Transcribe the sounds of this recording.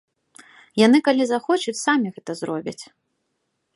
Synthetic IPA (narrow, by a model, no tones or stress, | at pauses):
jan̪ɨkalʲizaxɔt͡ʃut͡sʲsamʲiɣɛt̪ɐzɾɔ̰bʲit͡sʲ